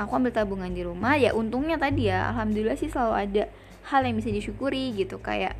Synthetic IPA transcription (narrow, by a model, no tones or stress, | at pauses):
akuambɪlt̪abuŋandiɾumahja̰ʔunt̪uŋɲat̪adijaa̰lɦamdulilahsɪsəlaluada | haljaŋbisadiʃukuɾiɡit̪uka̰ja̰ʔ